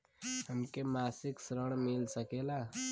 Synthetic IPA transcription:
həmkemasiksɾəɽ̃milsəkela

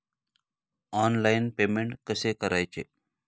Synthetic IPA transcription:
aːnlaɪnpeːmeɳʈkəseːkəɾʔaːjt͡ʃʰeː

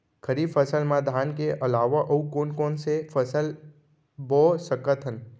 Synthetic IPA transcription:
kʰəɾifəsəlmãd̪ʱankeʔəlaːʋaʔəũkoːnkɔːnsefəsəl | bɔsəkət̪ʰən

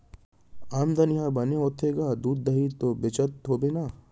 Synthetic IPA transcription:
amd̪ɐnijabɐneɦot̪ʰeːɡaːd̪uːd̪̚ːɐɦit̪obɪt͡ʃət̪ːoːbenaː

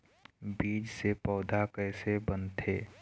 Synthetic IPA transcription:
biːd͡ʒsepɔːd̪ʱakɛːsebənt̪ʰeː

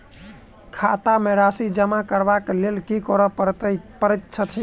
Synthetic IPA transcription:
kʰat̪ameɾasid͡ʒəmakəɾbaklelkikɔɾɔp̪pəɾɛt̪t͡ʃʰət͡ʃʰɛ

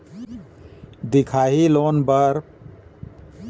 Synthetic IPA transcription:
d̪ɪkʰaːɦiloːnbəɾ

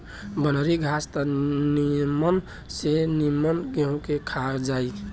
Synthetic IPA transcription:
bənəɾiɡʱast̪ənimən | senimənɡeɦũkekʰad͡ʒai

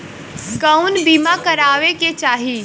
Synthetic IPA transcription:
kəunbiːmakəɾaːʋeket͡ʃaːɦi

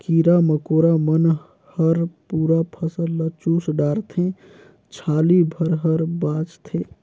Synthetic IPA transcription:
kiːɾaməkoːɾamən | həɾpuːɾapʰəsəlːət͡ʃuːsɖaːɾt̪ʰẽ | t͡ʃʰaːlibʱəɾɦəɾbaːt͡ʃt̪ʰẽ

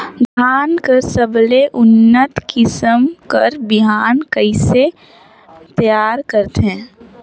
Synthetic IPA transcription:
d̪ʱaːnkəɾsəbleʔʊnːət̪kɪsəmkəɾbɪɦaːnkəɪse | t̪əjaːɾkəɾt̪ɦɛ̃ː

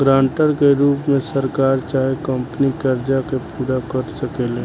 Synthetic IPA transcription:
ɡɾãːɳʈəɾkeɾuːpmẽsəɾkaːɾt͡ʃaːɦekəmpənikəɾd͡ʒakepuːɽakəɾsəkeːlẽː

